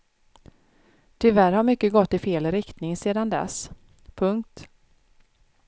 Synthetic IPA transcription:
t̪ʰʏlvæɾhaɾmʏkːəɡɔt̪ːɪfeːlɾɪkt̪nɪŋseːd̪and̪ɛ̰s | pʰɵŋk̚t̪

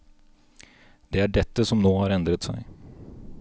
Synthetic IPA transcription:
d̪̥ɛæɖɛt̪ːəsɔmnoːhɑɾɛnd̪ɾət̪sɛ̰j

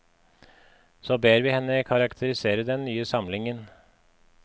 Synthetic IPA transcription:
soːbeːɾʋiːhɛnːəkʰɑɾɑkt̪ʰəɾɪseːɾəd̪ɛnnːyːəsɑmlɪŋən

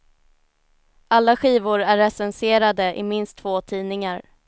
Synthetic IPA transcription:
ʔalːaɧiːvʊɾæɾːɛsɛnseːɾad̪əʔɪmɪnst̪ʰːvoːt̪ʰiːnɪŋaɾ

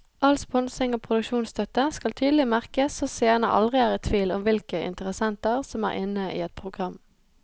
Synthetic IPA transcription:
ʔɑlspɔnsɪŋoːpʰʁʊd̪ʉkʃuːnst̪ʰœt̪əskɑlt̪ʰyːd̪l̩ɪmæʁkəsoːseːnə̰ʔɑ̰ld̪ʁɪæːʁət̪ʰʋiːlɔmʋɪlkəʔɪ̰nt̪əʁəsɛnt̪əʁsɔmæ̰ʁʔɪnəʔḭːɛt̪̚pʰʁʊɡʁɑm

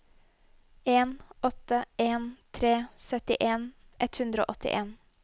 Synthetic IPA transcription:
eːnɔt̪əeːnt̪ʰɾeːsœt̪ɪʔeːn | ʔɛt̪hʉnd̪ɾo̰ːʔɔt̪ɪ̰ʔeːn

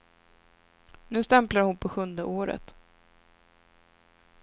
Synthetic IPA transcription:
nʉ̟ːst̪ɛmplaɾhʊnpʰɔɧɵnd̪əʔoːɾə̰t̪

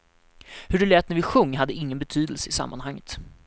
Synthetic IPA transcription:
hɵɖɵlɛːt̪næɾvɪɧɵŋːɦad̪ːəɪŋːənbɛt̪ʰyːd̪əlsəɪsa̰mːa̰nhaŋːət̪

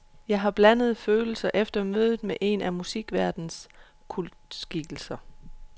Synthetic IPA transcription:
jɑ̈ɪɦɑ̈b̥lænəð̞̩ˠføːl̩sɐʔefd̥ɐmøːðˠð̩ˠmeʔe̝nʔæmusiɡ̥ʋæɐd̥n̩s | kʰuldsɡ̥iɡ̥l̩sɐ

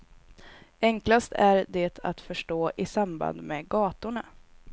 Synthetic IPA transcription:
ɛŋklast̪æɾd̪ɛt̪ʰat̪fœʂʈoːʔɪsamba̰nd̪mɛɡɑːt̪ʊɳa

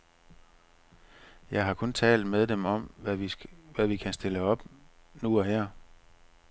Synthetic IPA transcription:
jɑ̈ɪɦɑ̈kʰɔ̽nt͡sʰɛ̰ːld̥meðˠd̥emɒ̽m | ʋæʋikʰæsd̥e̝ləɒ̽b̥ | nuɒ̽hɛɐ̰

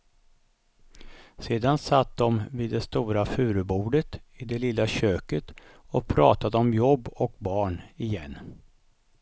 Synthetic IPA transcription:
seːd̪ansat̪̚d̪ɔmviːd̪ːɛst̪uːɾafʉ̟ːɾəbuːɖət̪ɪd̪ɛlɪlːaɕøːkət̪ | ɔpʰɾɑ̰ːt̪ad̪əɔmjɔbːɔkbɑːɳɪjɛnː

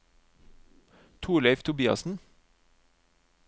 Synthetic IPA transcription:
t̪ʰuːleɪʋt̪ʰʊbiːɑ̰sn̩

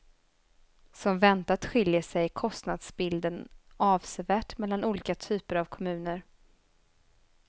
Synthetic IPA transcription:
sɔmvɛnt̪at̪ɧɪljəʂɛjkʰɔst̪nad̪sbɪld̪ənʔɑːvsɛvæːʈmɛlːanuːliːkat̪ʰyːpəɾavkʰɔmʉ̟ːnəɾ

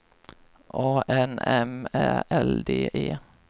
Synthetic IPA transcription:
ʔoːʔɛnɛmæɛld̪eːʔeː

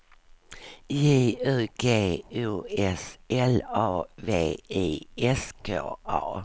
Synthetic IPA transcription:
jiːʉːɡ̥eːuːɛsʔɛlɑːveːiːɛskʰo̰ːɑ̰ː

